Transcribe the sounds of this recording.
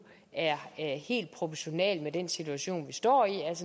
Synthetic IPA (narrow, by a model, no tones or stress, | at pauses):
æɐhe̝̰ːld̥̚pʰʁo̝pʰɒɕo̝nɛ̰lmed̥ensit͡sʰuæɕo̝̰ːnʋisd̥ɒ̰ːiælsə